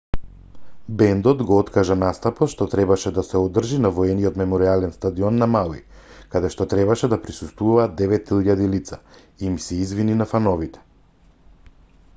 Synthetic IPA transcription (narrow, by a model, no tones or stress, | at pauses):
bɛnd̪ɔt̪ɡɔɔt̪kaʒanast̪apɔʃt̪ɔt̪ɾɛbaʃɛd̪asɛɔd̪r̩ʒinavɔɛnijɔt̪mɛmɔɾialɛnst̪ad̪iɔnːamalˠḭ | kad̪ɛʃt̪ɔt̪ɾɛbaʃɛd̪apɾisust̪vuvaːd̪ːɛvɛt̪iʎad̪ilit̪sa | imsɛizvininafanɔvit̪ɛ̥